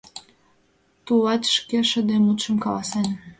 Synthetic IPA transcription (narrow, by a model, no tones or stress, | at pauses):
t̪ulɑt̪ʃkeʃə̆d̪emut̪ʃə̆mkɑlɑsɑn